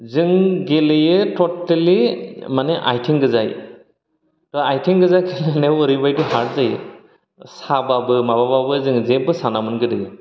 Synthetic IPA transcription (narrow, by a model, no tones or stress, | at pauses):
zɯŋɡelejɯtɔtːalimaneʔa̰jtʰiŋɡɯzaj | tɔajtʰiŋɡɯzajkʰeleneɔɾibajdɯɦaɾzajɯ | sababɯmabababɯzɯŋzebɯsanamɯnɡɯdɯj